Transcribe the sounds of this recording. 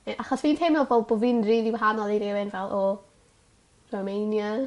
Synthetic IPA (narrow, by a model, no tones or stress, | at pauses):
ɛʔaχɔsviːntʰɪmɔvɔbʊvɪnridiwaɦanɔlˠiɾɛwɛnvɛlˠʔɔ | romejnja